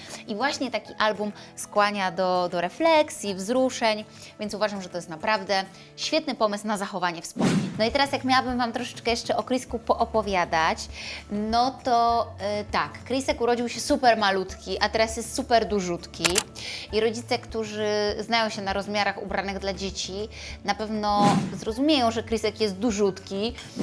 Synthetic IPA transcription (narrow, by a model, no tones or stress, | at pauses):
ivwaɕɲɛt̪akʲiʔalbum | skwaɲad̪ɔd̪ɔɾɛflɛksʲjivzɾuʂɛɲ | vʲjɛnt̪suvaʐamʐɛt̪ɔjɛst̪napɾavd̪ɛ | ɕfʲjɛt̪nɘpɔmɘsnazaxɔvaɲɛfspɔmɲinɔit̪ɛɾasjakmjawabɘmvamt̪ɾɔʂɛ̥t͡ʂkɛjɛʂt͡ʂɛʔɔkɾiskupɔʔɔpɔvʲjad̪at͡ɕnɔt̪ɔt̪akːɾisɛkuɾɔd͡ʑiwɕɛsupɛɾmalut̪kʲiʔat̪ɛɾasjɛst̪supɛɾd̪uʐut̪kʲiiɾɔd͡ʑit̪sɛkt̪uʐɘznajɔ̃w̃ɕɛnaɾɔzmʲjaɾaxubɾanɘɣd̪lad͡ʑet͡ɕi | napɛvnɔzɾɔzumʲejɔ̃w̃ʐɛkɾisɛkjɛst̪̚d̪uʐut̪kʲi